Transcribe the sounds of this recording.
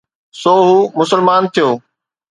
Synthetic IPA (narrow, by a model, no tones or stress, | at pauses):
soːɦuːmʊsəlmaːnt̪ʰijoː